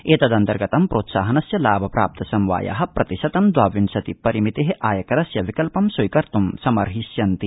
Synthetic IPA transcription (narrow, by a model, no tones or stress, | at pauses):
eːt̪ɐd̪ɐnt̪ɐɾɡɐt̪ɐmpɾoːt̪saːɦɐnɐsjɐlaːbʱɐpɾa̰ːp̚t̪ʰɐsɐmʋa̰ːja̰ɦɐpɾɐt̪iʃɐt̪ɐmd̪waːʋinsɐt̪ipɐɾimit̪eɦeʔaːjɐkɐɾɐsjɐʋikɐlpɐmsujkɐɾt̪umsɐmɐɾɦisjɐnt̪i